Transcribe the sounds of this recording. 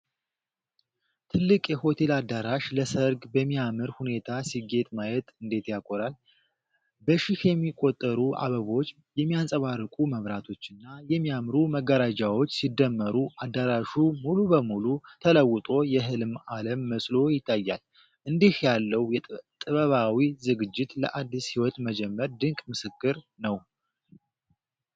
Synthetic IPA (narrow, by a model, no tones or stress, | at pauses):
t̪ʰɨlːɨkʼjɛho̞t̪ʰe̞lad̪ːaɾaʃləsəɾɡbəmːijamɨɾhune̞t̪ʰasiɡe̞t̪ʼmajɛt̪ʼɨnd̪e̞t̪jakʼoɾal | bəʃɪhjɛmːikʼo̞t̪ʼːəɾuʔa̰βəβo̞t͡ʃː | jɛmːijasʼəβarːɨkʼuməβɾat̪ʰo̞t͡ʃːɨnːajɛmːijamɾuməɡːəɾad͡ʒawo̞t͡ʃːsid̪ːəmːəɾuʔad̪ːəɾaʃumulubəmulut̪ʰələwːʊt̪ʼo̞jɛɦɨlɨmaləmːəsʼlo̞jɪt̪ʰːajːa̰l | ʔɨnd̪ihjalːəwjt̪ʼɨβəβawizɨɡɨd͡ʒːɪt̪lə̰ʔad̪ːishiwɔt̪məd͡ʒɛmːəɾd̪ɨŋkʼmɨsɨkːɨɾ | nəw